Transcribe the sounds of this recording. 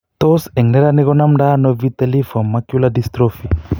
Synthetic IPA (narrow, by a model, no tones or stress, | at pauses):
t̪oseŋnɛɾaniɣɔnamɖanɔvit̪elifɔmːakjuladist̪ɾofi